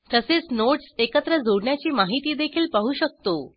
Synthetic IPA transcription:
t̪əset͡snoʈsekət̪ɾəd͡zʱoɽɳjat͡ɕiːmaɦit̪iːd̪ekʰiːlpaɦuːɕək̚t̪o

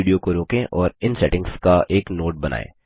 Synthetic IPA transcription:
iːɖijokoɾoːkẽʔɔːɾɪnsɛʈɪ̃ŋɡskaʔeːknoːʈ̚bɐna̰ːḛ̃ː

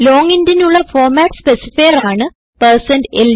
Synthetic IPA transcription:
loːŋindinuɭːɐfoːrmaːʈspesi̥fikɐraːɳɨ | pɐrsɐnɖel

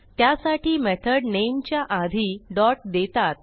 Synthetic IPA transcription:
t̪jasaʈiːmɛt̪ʰəɽnemt͡ɕjaʔad̪ʱiːɖɔʈ̚d̪et̪at̪̚

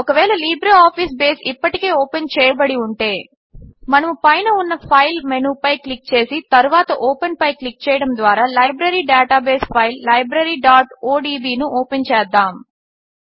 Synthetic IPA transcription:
ɔkɐʋɛːlɐliːbɾeaːpʰiːs̬beːsipːɐʈike̞ːoːpent͡ʃɛːjɐbɐɽiuɳʈe̞ː | mɐnɐmupɐjnɐunːɐpʰɐjlmenuːpɐjklik̚t͡ʃe̞ːsit̪ɐɾuʋaːt̪ɐʔoːpenpɐjklik̚t͡ʃɛːjɐɽɐmd̪ʋaːɾaːlɐjbɾɐɾiːɖɛːʈaːbeːspʰɐjlːɐjbɾɐɾiːɖaːʈoːɖiːbiːnuʔoːpent͡ʃɛːd̪ːaːm

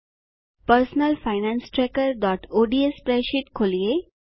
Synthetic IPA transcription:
pəɾsnəlfajnãnsʈɾɛkəɾɖɔʈoɖiespɾɛɕiʈkʰolje

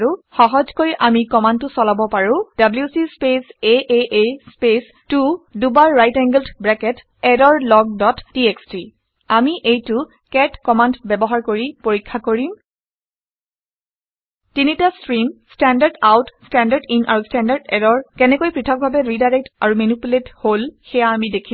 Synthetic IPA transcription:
ɹuxɔɦɔzkoɹiʔamikɔmantːʊsɔlabɔpaɹʊ̃d̥abljusispeseʔeʔespes | tudubaɹːajtɛŋɡəldbɹɛkɛt | ɛdɔɹlɔɡ̚dɔtːieksti | amiʔejtʊ | kɛtkɔmantbɛbɔɦaɹkoɹipoɹikʰːakoɹim | tinitastɹimstɛndaɹdawtstɛndadinʔa̰ɹustɛndaɹdɛɾɔɹkɛnɛkojpɹitʰɔk̚bʱabɛɹidajɹɛk̚ta̰ɹumenipuletholxɛjaːmidekʰi

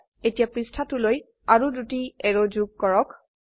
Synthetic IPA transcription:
etijapɹistʰatuloj | aɹudutiɛɹod͡ʒuɡ̚kɔɹɔk

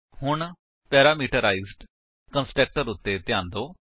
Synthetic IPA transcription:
hʊɳ | pɛːɾaːmiːʈəɾaːiːzɖ | kənsʈɛːk̚ʈəɾʊt̪ːeːt̪ɪjãːnd̪oː

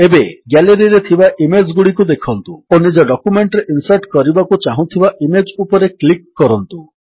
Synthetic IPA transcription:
ebeɡɛleɾiɾet̪ʰibaʔimed͡ʒɡuɽikud̪ekʰɔnt̪uonid͡ʒɔɖɔkumeɳʈɾeʔinsaʈkɔɾibakut͡ʃaɦũt̪ʰibaʔimed͡ʒupɔɾeklikːɔɾɔnt̪u

